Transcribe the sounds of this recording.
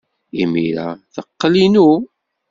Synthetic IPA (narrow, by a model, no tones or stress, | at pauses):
imḭɾa̰θəqːlinu